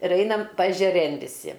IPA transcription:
ɪr ˈɐɪnɐm pɐɛʒʲɛˈrʲeːn ʋʲɪˈsʲɪ

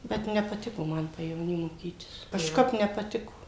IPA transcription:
ˈbʲɛt nʲɛpɐˈtʲɪkoː ˈmɐn pɐjɛʋoːˈnʲiː moːˈkʲiːtʲɪs kɐʃˈkɐp nʲɛpɐˈtʲɪkoː

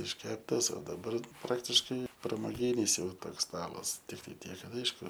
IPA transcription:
ɪʃʲˈkʲæːptɐs oː dɐˈbɐr ˈprɑːktʲɪʃkɐɪ prɐmoːˈɡʲiːnʲɪs ˈjɛʊ ˈtoːks ˈstɑːlˠɐs tʲɪkˈtɐɪ ˈtʲiɛk ˈkɐt ˈɐɪʃkʊ

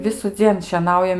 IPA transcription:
ʋʲɪsʊˈd͡zʲiɛn ʃʲiɛˈnɐʊjɛm

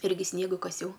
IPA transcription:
ˈɪrʲɡʲɪ ˈsʲnʲiɛɡɐ kɐˈsʲɛʊ

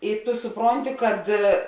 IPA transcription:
ɪr tʊ sʊˈproːnʲtʲɪ kɐt

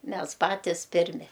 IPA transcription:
ˈmʲɛs ˈpɑːtʲɪs ˈpʲɪrʲmʲɪ

